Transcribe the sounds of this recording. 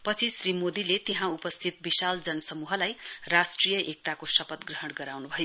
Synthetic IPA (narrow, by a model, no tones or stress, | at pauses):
pʌt͡sʰisrimod̪ilet̪eɦãupʌst̪ʰit̪̚bisald͡zʌnʌsʌmuɦʌlajrasʈrijʌʔek̚t̪akosʌpʌt̪ɡrʌɦʌɽɡʌɾawnubʱʌjo